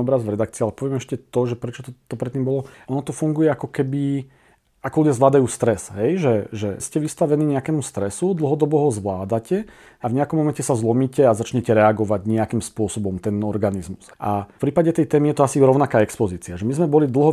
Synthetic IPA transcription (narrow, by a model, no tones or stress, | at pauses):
ɔbɾazʋɾɛd̪ak̚t͡siːalɛpɔʋɛmɛʃcɛt̪ɔʒɛpɾɛt͡ʃɔt̪ɔt̪ɔpɾɛt̪ːimbɔlɔʔɔnɔt̪ɔfuŋɡujɛakɔkɛbi | akɔluɟjazʋlaːd̪ajuːst̪ɾɛsɦɛjʒɛʒɛscɛʋist̪aʋɛniːɲɛakɛːmust̪ɾɛsud̪l̩ˠɦɔd̪ɔbɔɦɔzʋlaːd̪acɛ | avɲɛakɔmːɔmɛncɛsazlɔmiːcɛazat͡ʃɲɛcɛɾɛaɡɔʋaɟɲɛakimspʊɔsɔbɔmt̪ɛnɔɾɡanizmusʔapɾiːpaɟɛt̪ɛjt̪ɛːmijɛt̪ɔasiɾɔʊnakaːɛkspɔziːt͡siaʒɛmizmɛbɔlid̪l̩ˠɦɔ